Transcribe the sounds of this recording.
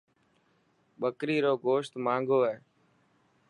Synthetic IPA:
ɓəkɾiːɾoːɡoːʃt̪mãːŋɡoːɦeː

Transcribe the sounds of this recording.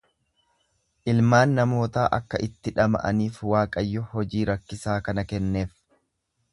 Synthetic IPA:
ʔɪlmaːnːɐmo̞ːt̪aːʔɐkːɐʔɪt̪ːɪᶑɐmɐ̰ʔɐ̰niːfwaːkʼɐjːɔhɔd͡ʒiːɾɐkːɪsaːkɐnɐkɛnːe̞ːf

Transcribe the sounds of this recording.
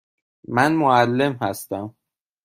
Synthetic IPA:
mænmoælːe̞mhæst̪æm

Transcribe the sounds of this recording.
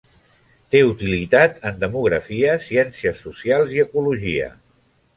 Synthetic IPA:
t̪eut̪ilit̪at̪ənd̪əmuɣɾəfiəsiɛnsiəsːusialˠziəkuluʒiə̰

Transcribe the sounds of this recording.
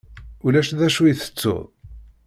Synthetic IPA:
ulæʃðæʃujiθə̥t͡sːʊ̰ðˤ

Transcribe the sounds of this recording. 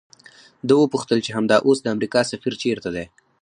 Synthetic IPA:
d̪əwəpuxt̪əlt͡ʃeɦamd̪ɑʔosd̪əamɾikɑsafiɾt͡ʃeɾt̪ad̪e

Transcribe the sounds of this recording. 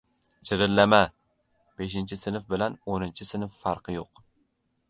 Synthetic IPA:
t͡ʃʰɪɾɪlːama | b̥eʃɪnt͡ʃʰɪsɪnɪfbɪlanonɪnt͡ʃʰɪsɪnɪfːɑɾqʰɨjoq

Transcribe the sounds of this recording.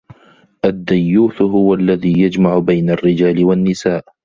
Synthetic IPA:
ʔad̪ːajːuːt̪ɦʊwaʔlːaðiːjad͡ʒmaʕʊbajnarːɪd͡ʒaːlɪwanːɪsaːʔ

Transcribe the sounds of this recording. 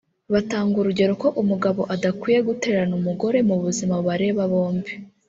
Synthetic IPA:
βataːŋɡuɾuɟe̞ɾoko̞ʔumuɡaβo̞ʔadakwiːje̞ɡute̞ːɾɾanumuɡo̞ɾe̞muβuzimaβaɾe̞βaβo̞ːmbi

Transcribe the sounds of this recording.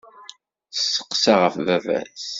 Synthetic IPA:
θsːə̥qːsaʁəfvævæ̰s

